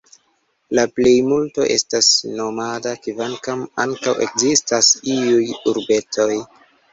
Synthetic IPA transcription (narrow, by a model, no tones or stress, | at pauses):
laple̞jmulto̞̰ʔe̞̰stasno̞madakivankamaŋkawʔe̞̰kzistasiujuɾbe̞to̞j